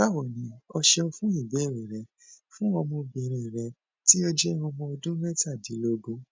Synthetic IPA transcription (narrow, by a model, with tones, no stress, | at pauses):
a˦wɔ˨nĩ˨˦ɔ˧ʃɛ˧o˧fũ˦i˦˨be˨˦˨ɾe˨ɾɛ˨˦ | fũ˦ɔ˧mõ˧bi˨ɾ̃ĩ˨ɾɛ˨˧ | ti˦o˦d͡ʒɛ˦ũ˧mɔ̃˧o˧dũ˦mɛ˦ta˦˨di˨˦lo˧ɡũ˦